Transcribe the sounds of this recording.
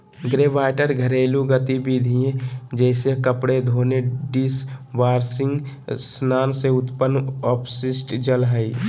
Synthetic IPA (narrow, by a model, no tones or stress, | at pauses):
ɡɾebaːjʈəɾɡʱəɾeːluɡət̪ibid̪ʱiẽd͡ʒɛːsekəpɽed̪ʱoːneɖisʋaːɾsɪŋɡ | snaːnseʊt̪pənːɔːpʰsisʈd͡ʒəlɦəi